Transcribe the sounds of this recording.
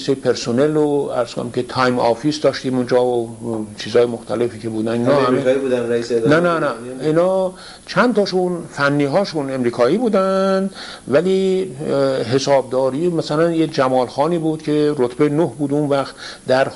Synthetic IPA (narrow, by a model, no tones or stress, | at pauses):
isepʰeɾsoneloæɾz̥kʰonæmcʰʲet̪ʰɑjmɒːfisd̪ɒːʃt̪iːmund͡ʒɒːot͡ʃʰiːzhɒːjemoxt̪ʰælefiːcʰe̞buːd̪æninɒːhæmeibud̪ænɾæisenænænæinɒː | t͡ʃʰænt̪ɒːʃunfænːiːɦɒːʃune̞mɾiːkʰɒːiːbuːd̪ænd̪ | væliː | ɦe̞sɒːb̚d̪ɒːɾiːmæsælænjed͡ʒæmɒːlxɒːniːbuːd̪̥cʰe̞ɾot̪ʰbejnohbuːd̪unvæxt̪d̪æɾ